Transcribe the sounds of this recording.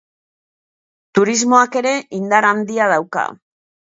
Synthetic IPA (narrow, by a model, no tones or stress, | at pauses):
t̪uɾizmo̞ake̞ɾe̞ʔind̪aɾand̪iað̞awka̰